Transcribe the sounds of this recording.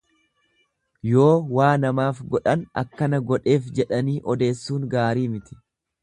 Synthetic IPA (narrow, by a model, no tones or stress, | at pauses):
jo̞ːwaːnɐmaːfɡɔᶑɐnɐ̰kːɐnɐɡɔᶑe̞ːfd͡ʒɛᶑɐniːʔɔd̪e̞ːsːuːŋɡaːɾiːmɪt̪ɪ̥